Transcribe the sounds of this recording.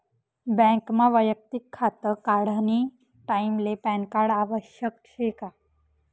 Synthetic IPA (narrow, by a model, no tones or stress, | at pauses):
bɛ̃ŋkmãʋəjək̚t̪ikʰːat̪əkaɽ̤ani | ʈaimlepɛnkaɽaʋəɕjək̚t͡ɕʰeka